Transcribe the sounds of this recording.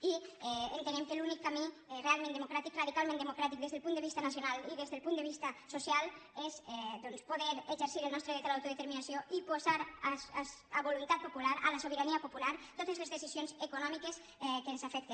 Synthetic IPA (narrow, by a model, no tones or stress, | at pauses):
iɛent̪enemkelunikːami | realˠmẽnd̪emokɾat̪ikraðikalmẽnd̪emokɾat̪ik̚d̪ezðelˠpuneβist̪ənasjonaliðezðelpunəeβist̪ɐsosjalezɛd̪onspoðeɾeʒeɾsiɾəlnɔst̪ɾeðet̪elawt̪uðet̪eɾminasjoipozaɾaaβolunt̪at̪̚populaɾalasoβ̞eɾaniapopulaɾt̪ot̪ezlezðesizjonzekunɔmikes | ɛkenzafɛk̚t̪e